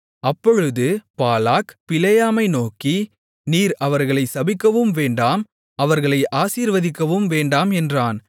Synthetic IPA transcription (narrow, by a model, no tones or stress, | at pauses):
ɐpːɔɻɯðɯpaːlaːkpɪlɐjaːmɐɪnoːki | niːɾɐʋɐɾɣɐɭɐɪsɐbɪkːɐʋɯmʋeːɳɖaːm | ɐʋɐɾɣɐɭɐɪʔaːsiːɾʋɐðɪkːɐʋɯmʋeːɳɖaːmɛndraːn